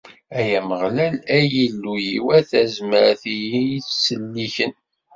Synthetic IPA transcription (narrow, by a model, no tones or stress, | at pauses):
æjæməʁlælæjilːujiwæθæzməɾθijiiθsəlːiçən